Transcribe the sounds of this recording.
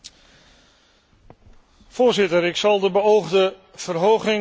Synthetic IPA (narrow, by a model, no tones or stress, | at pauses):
v̥ʊːɹzɪtəɾɪksɑlˠdəbəowχdə | v̥ərɦowχɪŋ